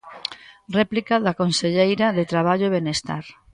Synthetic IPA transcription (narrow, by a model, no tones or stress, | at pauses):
rɛplikaðakonseʎejɾaðet̪ɾaβ̞aʎoeβenest̪a̰ɾ